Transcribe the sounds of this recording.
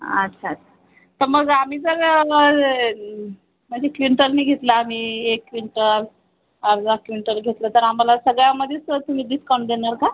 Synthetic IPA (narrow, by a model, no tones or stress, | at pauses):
ə̰tːɕʰaːtːɕʰḁ | t̪əɾməɡam̤iːd͡zəɾ | məɳd͡zekʋiɳʈəɾniːɡʱet̪laːm̤iekːʋiɳʈəɾ | aɾd͡zakʋiɳʈəɾɡʱet̪lət̪əɾamalasəɡɭjaməd̪ʱːjesət̪um̤iːd̪iskawɳɖd̪enaɾka